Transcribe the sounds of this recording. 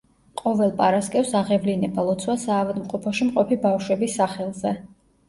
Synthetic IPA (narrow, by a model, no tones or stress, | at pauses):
qʼɔvɛlˠpʼaɾaskʼɛfsaʁɛvlinɛbalˠɔt̪sʰwasaːvad̪mqʼɔpʰɔʃimqʼɔpʰibafʃwɛbisːaχɛlˠzɛ